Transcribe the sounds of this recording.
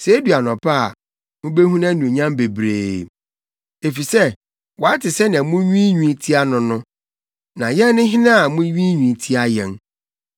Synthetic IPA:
se˨˦dɥa˨nɔ̃˨pʰa̰˦˨ | mʊ̃˦be˦hɦũ˦nã˦nũ˨e˨ɲã˦m˦be˨bɾeː˨ | e˨fi˨sɛ˦˨ | wɔ˨a˦tɪ˨sɛ˦nɪ̃˨ã˨mʊ̃˦ɥĩ˦ɲᶣũ˦tʰi˦a˦nʊ̃˨nʊ̃˦ | nã˨jɛ̃˦nː˦ɪ̃˦ɦɪ̃˦nã˦a˨mʊ̃˦ɥĩ˦ɲᶣĩ˨tʰi˦a˦jɛ̃˨n

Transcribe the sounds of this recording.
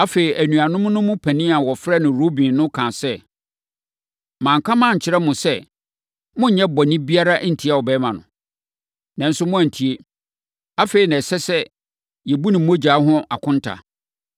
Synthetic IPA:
a˦fe˨ɾi˨ʔæ˨nũ˨a˨nʊ̃˦m˦nʊ̃˦mʊ̃˦pʰæ̃˨nĩ˦a˨wɔ˨fɾɛ˦nʊ̃˨ɾo˦bĩ˨nnʊ̃˦kʰã˨sɛ˦ | mãː˨ŋ˨kʰa˦mã˦˨ɲ̩˨t͡ɕʰɪ˦ɾɛ˦mʊ̃˨sɛ˦ | mʊ̃˦ɲ̩˨ɲɛ̃˦bɔ˨nɪ̃˦bi˦a˦ɾa˦ʔn̩˨tʰi˦a˨wɔ˨bɛ˦mã˨nʊ̰̃˨ | nã˨n̩˦sʊ˦mʊ̃˦æ˨n˨tʰi˨e˦ | a˦fe˨ɾi˨nã˨sɛ˦sɛ˦ | jɛ˨bu˦nɪ̃˨m˦o˦d͡ʑaː˨˦ɦʊ̃˦a˨kʰʊ̃˦n˦tʰa̰˨

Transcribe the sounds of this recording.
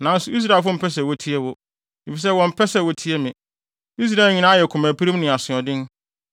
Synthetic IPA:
nã˨n̩˦sʊ˨˦i˦s̬ɾa˦˨fʊ˦m̩˨pʰɛ˦s̬ɛ˨wɔ˨tʰi˦ɛ˦wʊ˨ | i˨fi˨s̬ɛ˦wɔ̃˨m̩˦pʰɛ˦sɛ˨wɔ˨tʰi˦ɛ˦mɪ̃˨ | i˦s̬ɾaː˨lɲĩ˨˦nã˦jɛ˨kʰʊ̃˨mæ˨pʰi˦ɾĩ˦mnɪ̃˨a˨sʊ̃˨ɔ˨dɪ̃˦n˦

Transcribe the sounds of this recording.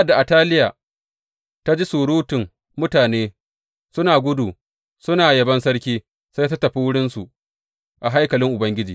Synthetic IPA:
a˦˨da˨ʔa˨taː˦lɪ˦jaː˨ | ta˦d͡ʒi˦suː˨ɽuː˦tɪ˨ŋ | mʊ˦taː˨neː˦ | sʊ˦naː˨ɡʷʊ˦duː˨ | sʊ˦naː˨jɐ˨bɐ˦nsɐ˦ɽkʲiː˦ | sa˦ta˦tɐ˨ɸiː˦wʊ˦ɽɪ˦nsu˨ | ʔa˨ɦa˦jkɐ˨lɪ˦ŋʔʊ˨bɐ˦ŋɡʲɪ˦d͡ʒiː˨

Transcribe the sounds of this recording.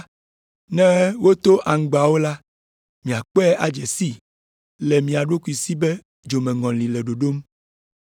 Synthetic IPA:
nɛ̃˦wo˦t̪o˦ʔa˨ŋ̩˨˦ɡ͡ba˨wo˦la˦ | mĩ˨a˨k͡pɛ˦ʔa˨d͡ʒɛ˨si˦ | lɛ˨mĩ˨a˨ɖo˦ku˨i˨si˦bɛ˦ | d͡ʒo˨mɛ̃˨ŋɔ̃˨li˨lɛ˨ɖo˨ɖo˦m

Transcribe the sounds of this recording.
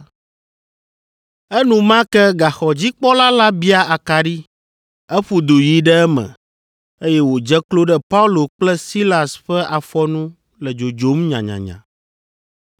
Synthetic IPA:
ɛ˦nũ˨mã˦kɛ˦ɡa˨xɔ˨d͡ʑi˦k͡pɔ˦la˦la˦bi˦a˦a˨ka˨ɖi˦ | ɛ˦ɸu˨d̪o˨ji˨ɖɛ˦ɛ˦mɛ̰̃˨ | e˦jɛ˦wo˨d͡ʒɛ˦klo˦ɖɛ˦pa˦u˦lo˨k͡plɛ˦si˦la˨sɸɛ˦ʔa˨fɔ˦nũ˦ | lɛ˨d͡ʒo˨d͡ʒo˨˦mɲã̰˨ɲã̰˨ɲã̰˨

